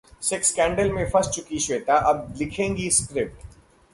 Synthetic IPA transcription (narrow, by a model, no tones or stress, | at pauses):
sɪkskɛ̃ːɳɖəlmẽfɐs̚t͡ʃʊkiʃʋeːt̪aʔɐb̚lɪkʰẽːŋɡiskɾɪp̚ʈ